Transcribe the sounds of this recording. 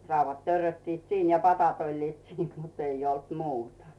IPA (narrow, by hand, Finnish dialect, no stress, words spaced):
rɑuʋːɑt tørːøtːiːt siːn jɑ pɑtɑt olʲliːt siːn mut ei olt muːtɑ